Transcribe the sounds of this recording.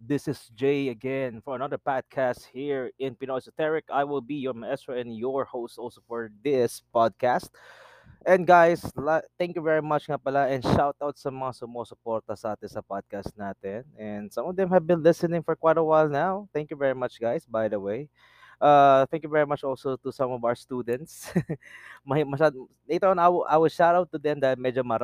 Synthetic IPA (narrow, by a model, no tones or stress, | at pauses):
d̪ɪsɪsd͡ʒeɪɐɡɛ̃nfɔɹɐnɐðəɹpad̪̚kʰæst̪̚hiɹɪ̃npɪnojsʊt̪ɛɹɪkajwɪlbijɔɹmɛst̪ɹoɛ̃njɔɹhoʊst̪ʔɔlsofɔɹd̪ɪspɑd̪̚kæst̪̚ | ʔɛ̃ndɡajslaθɛ̃ŋkjuvɛɹimɐt͡ʃŋapɐlaʔɛ̃nʃawt̪̚ʔawt̪̚sɐmɐŋasʊmoːsʊpoɹt̪ɐsɐʔaːt̪ɪnsɐpad̪̚kast̪̚naːt̪ɛnɛ̃nd̪sɐ̃mɔvd̪ɛ̃mhɐvbɪ̃nlɪsɨnɪ̃ŋfɔɹkwajt̪ɐwajlnawθɛ̃ŋkjuvɛɹimɐt͡ʃɡajsbajd̪ɐwej | ʔaθɛ̃ŋkjuvɛɹimɐt͡ʃʔɔlsot̪ʊsɐ̃mɔvawə˞st̪uːd̪ɛ̃nt̪s | mɐmɐʃad̪ | let̪oõnawʔawʃadowt̪ʊd̪ɛ̃md̪aːhɪlmɛd͡ʒomɐɾ